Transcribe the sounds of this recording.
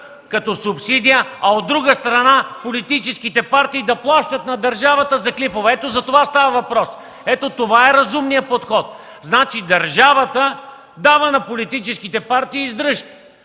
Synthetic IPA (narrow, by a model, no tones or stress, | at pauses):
kɐt̪ɔsʊpsid̪ijəɐod̪ːɾuɡəst̪ɾɐnapolit̪it͡ʃɛskit̪ɛpaɾt̪iːd̪ɐplˠaʃt̪ɐt̪nɐd̪ɐɾʒavɐt̪əzɐklipovɛɛt̪ozɐt̪ovast̪avɐvɐpɾɔs | ɛt̪ot̪ovaɛɾɐzumnijəpot̪xɔt̪̚ | znat͡ʃid̪ɐɾʒavət̪ə | d̪avənɐpolit̪it͡ʃɛskit̪ɛpaɾt̪iːzd̪ɾɤʃ